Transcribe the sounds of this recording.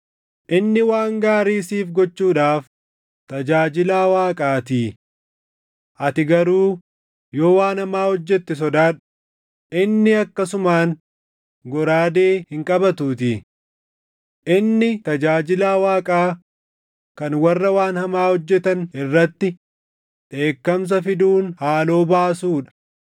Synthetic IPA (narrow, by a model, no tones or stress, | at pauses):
ʔɪnːɪwaːŋɡaːɾiːsiːfɡɔt͡ʃːuːᶑaːf | t̪ɐd͡ʒaːd͡ʒɪlaːwaːkʼaːt̪iː | ʔɐt̪ɪɡɐɾuː | jo̞ːwaːnhɐmaːhɔd͡ʒːɛt̪ːɪs̬ɔd̪aːᶑʊ̥ | ʔɪnːɪɐkːɐsʊmaːn | ɡɔɾaːd̪e̞ːhɪŋkʼɐbɐt̪uːt̪ɪ | ʔɪnːɪt̪ɐd͡ʒaːd͡ʒɪlaːwaːkʼaː | kɐnwɐrːɐwaːnhɐmaːhɔd͡ʒːɛt̪ɐnɪrːɐt̪ːɪ | ᶑe̞ːkːɐms̬ɐfɪd̪uːnhaːlo̞ːbaːsuːᶑɐ̥